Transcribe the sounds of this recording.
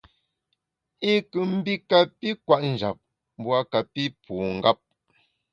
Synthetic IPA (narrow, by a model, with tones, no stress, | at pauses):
i˦kʉ˨m̩˦bi˦ka˨pi˦kwa˦ʔn̩˨d͡ʒa̰˨p̚ | m˦bwa˦ka˨pi˦puː˨ŋ̩˦ɡa˦p̚